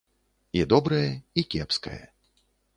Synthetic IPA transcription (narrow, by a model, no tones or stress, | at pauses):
id̪ɔbɾɐjɐikʲɛpskɐ̰jɐ̰